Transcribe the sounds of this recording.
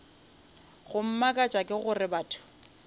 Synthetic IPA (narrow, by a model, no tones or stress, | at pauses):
ɣʊm̩makʼat͡ʃʼakʼɪɣʊrɪbaːtʰʊ̥